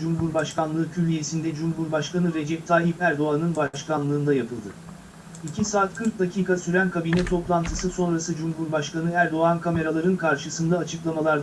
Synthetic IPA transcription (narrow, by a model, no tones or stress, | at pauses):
d͡ʒumɦuɾbaʃkʰanlˠɯːcʰylʲije̞sind̪ɛd͡ʒumɦuɾbaʃkʰanɯɾe̞d͡ʒɛp̚t̪ʰaːɦipæɾd̪o̞anɯnbaʃkanlˠɯːnd̪ajapʰɯlˠd̪ɯ | icʰisaːt̪kʰɯɾk̚d̪acʰiːkʰasyɾænkʰabinɛt̪ʰo̞plˠant̪ʰɯsɯso̞nɾasɯd͡ʒumɦuɾbaʃkanɯæɾd̪o̞ankʰame̞ɾalˠaɾɯnkʰaɾʃɯsɯnd̪aːt͡ʃʰɯklˠamalˠaɾd̪